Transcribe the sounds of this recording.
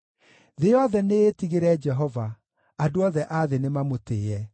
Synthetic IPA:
ðeɔðɛneːtiɣeɾɛd͡ʒɛɦɔva | adoɔðɛʔaðenemamoteːɛ

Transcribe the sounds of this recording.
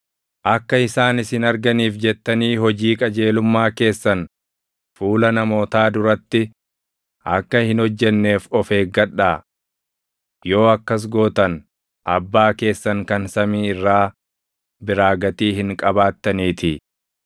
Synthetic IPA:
ʔɐkːɐɪsaːnɪsɪnɐɾɡɐniːfd͡ʒɛt̪ːɐniːɦɔd͡ʒiːkʼɐd͡ʒe̞ːlʊmːaːke̞ːsːɐn | fuːlɐnɐmo̞ːt̪aːd̪ʊɾɐt̪ːɪ | ʔɐkːɐhɪnhɔd͡ʒːɛnːe̞ːfɔfe̞ːɡɐᶑːaː | jo̞ːɐkːɐs̬ɡo̞ːt̪ɐn | ʔɐbːaːke̞ːsːɐŋkɐnsɐmiːɪrːaː | bɪɾaːɡɐt̪iːhɪŋkʼɐbaːt̪ːɐniːt̪ɪ

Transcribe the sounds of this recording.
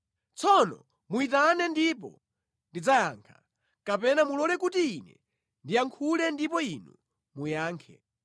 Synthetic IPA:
t͡sʰɔnɔ̰ | muit̬anɛndip̬ɔ̰ | ndid͡zajaːŋkʰḁ | kapɛnamulɔlɛkutiinɛ̰ | ndiaŋkʰulɛndipɔinu | mujaːŋkʰɛ̰

